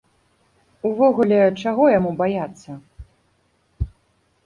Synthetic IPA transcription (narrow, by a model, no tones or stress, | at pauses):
uvɔɣulʲɛt͡ʂaɣɔjamubajat̪sːɐ